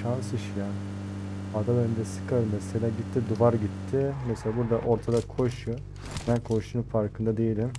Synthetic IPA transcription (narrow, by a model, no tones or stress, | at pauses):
ʃansɯʃijan | ad̪abøɾind̪ɛsɯ̥kʰaɾɯnɛselʲaːɟit̪ʰːid̪uvaɾɟit̪ʰːɪmeselʲaːbuɾd̪aʔo̞ɾt̪ʰad̪akʰo̞ʃʊ | b̪ænkʰo̞ʃunufaɾkʰɯnd̪ad̪e̞jelʲim